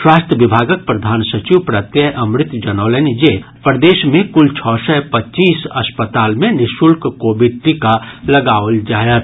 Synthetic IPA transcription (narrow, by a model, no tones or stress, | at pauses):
ʃwaːst̪ʰəʋibʱaːɡək̚pɾɐd̪ʱaːnsɐt͡ʃiʋpɾat̪jəʔɐ̃mɾɪt̪d͡ʒɐnɔːlənid͡ʒe | pɾd̪eːʃmẽkʊlt͡ʃʰɔːsɛpɐtːt͡ʃiːsɐspət̪aːlmẽnɪʃʊlkkoːbiɖ̚ʈikalɐɡaːʋld͡ʒaːjət̪̚